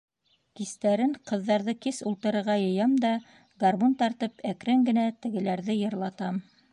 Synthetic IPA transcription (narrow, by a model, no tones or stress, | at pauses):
kist̪æɾɘŋqɤ̆ðːɑɾðɤkisulˠt̪ɤ̆ɾɤ̆ɾʁɑjɤ̆jɑmd̪ɑ | ɡarmont̪ɑɾt̪ɤpʰækɾɘŋɡɘ̆næt̪ɘ̆ɡɘ̆læɾðɘjɤ̆ɾlˠɑt̪ɑm